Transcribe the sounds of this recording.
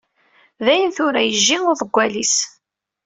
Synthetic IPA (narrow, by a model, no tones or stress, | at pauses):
ðæjənθʊɾæjəʒːiʊðˤəɡʷːælis